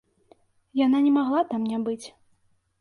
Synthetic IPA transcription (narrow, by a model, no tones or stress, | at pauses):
jananʲɛmaɣlˠat̪amnʲabɨt͡sʲ